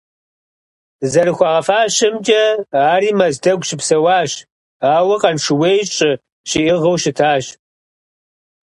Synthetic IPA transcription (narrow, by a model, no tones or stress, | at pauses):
zɐrɨxʷɑːʁɐfaːɕɐmd͡ʒɐaːɾiːmɐzdɐɡʷʃɪpsɐwɑːɕ | aːwɐqɐnʂɨweːjt͡ʃʼɪ | ʃiʔɪʁɐwʃɪtʰaːɕ